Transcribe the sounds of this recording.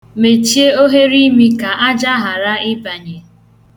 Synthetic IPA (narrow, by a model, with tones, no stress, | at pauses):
me˨t͡ʃi˦e˦o˦ɦe˦ɾi˦mi˦ka˨ʔa˦d͡ʒa˦ɦa˨ɾa˦ɪ˦ba˨ɲe˨